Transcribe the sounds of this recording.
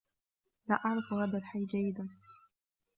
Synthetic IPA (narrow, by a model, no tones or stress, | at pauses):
laːʔaʕɾˤɑfhaːðalħajːd͡ʒajːɪd̪an